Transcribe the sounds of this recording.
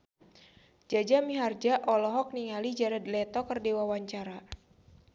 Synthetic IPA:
d͡ʒad͡ʒamiɦard͡ʒaʔɔlɔɦɔk̚niŋalid͡ʒaɾad̪lɛt̪ɔkərdewawaɲt͡ʃaɾa

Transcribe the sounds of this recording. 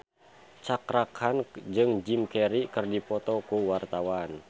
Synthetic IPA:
t͡ʃakɾakʰand͡ʒɨŋd͡ʒimkɛɾikɨrdipɔt̪ɔkuwart̪awan

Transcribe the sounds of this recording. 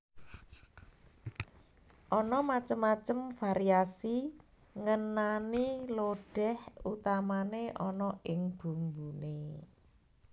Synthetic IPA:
ʔɔnɔmat͡ʃəmːat͡ʃəmfaɾiasi | ŋənaniloɖ̥ɛ̤hut̪amaneʔɔnɔʔɪŋb̥ṳmbune

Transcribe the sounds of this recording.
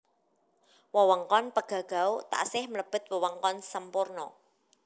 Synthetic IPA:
wɔwɔŋkɔnpəɡ̥ä̤ɡ̥a̤ut̪a̰ʔsɪhmələb̥ə̤t̪̚wɔwɔŋkɔnsəmpʊrnɔ̰

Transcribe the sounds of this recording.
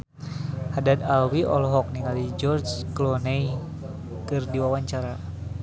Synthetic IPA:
hadad̪awiʔɔlɔɦɔk̚niŋalid͡ʒɔrt͡ʃklɔnɛj | kɨrdiwawaɲt͡ʃaɾa

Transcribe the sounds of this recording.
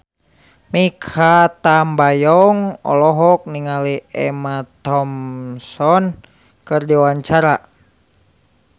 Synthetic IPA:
mikʰat̪ambajɔŋɔ̰lɔɦɔk̚niŋaliɛmat̪ɔmsɔn | kɨrdiwaɲt͡ʃaɾa

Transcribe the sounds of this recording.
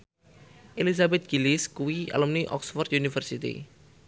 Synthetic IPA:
ʔelis̬abɛt̪̚ɡ̥iliskuwia̰lumniʔɔ̰ksfɔrt̪̚junifərsit̪ḭ

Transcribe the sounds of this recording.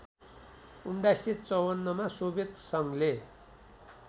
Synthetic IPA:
uɳɖaset͡sʌwʌnːʌmasobet̪sʌŋle

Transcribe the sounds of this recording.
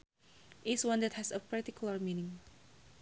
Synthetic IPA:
ʔɪswãndɛt̚hɛsəpaɹtikulaɹminĩŋ

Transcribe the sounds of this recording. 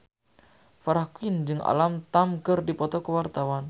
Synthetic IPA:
faɾahkuind͡ʒɨŋa̰lamt̪amkərdipɔt̪ɔkəwart̪awan

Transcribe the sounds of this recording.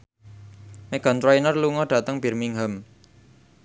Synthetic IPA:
meɡ̥a̤nt̪ɾajinərluŋɔɖ̥ä̤t̪əŋb̥i̤rmiŋɦəm

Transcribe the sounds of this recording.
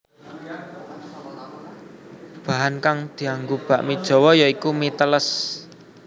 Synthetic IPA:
b̥aɦankaŋd̪̥i̤aŋɡub̥ä̤ʔmid̥ʒ̥ɔ̤wɔjaikumit̪ələs

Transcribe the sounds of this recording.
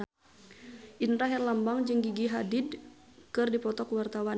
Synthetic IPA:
ʔinɾaɦɛrlambaŋd͡ʒɨŋɡiɡiɦadid | kɨrdipɔt̪ɔkwart̪awa

